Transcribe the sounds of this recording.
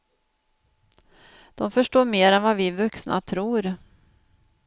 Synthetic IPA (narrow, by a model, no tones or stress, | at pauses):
d̪̥ɔmfœʂʈoːɾmeːɾɛnvavɪvɵksnʔa̰t̪ʰɾuːɾ